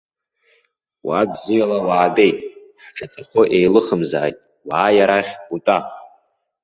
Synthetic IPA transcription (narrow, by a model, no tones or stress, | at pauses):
wabzijalawaːbe̞jtʼ | ħʈ͡ʂʰat͡sʼaχʷʊʔe̞jlɨχəmza̰ːjtʼ | waːjaɾaχʲbutʼa